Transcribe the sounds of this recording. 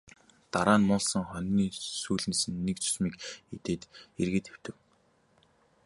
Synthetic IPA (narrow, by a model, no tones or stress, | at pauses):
t̪aɾaːnːʊːɮsɞ̆ŋχœnʲːiːsuːɮ̆nsɘ̆nːekt͡sʰu̥smiːket̪eːt̪erɣeːt̪ʰew̥t̪ɘ̆w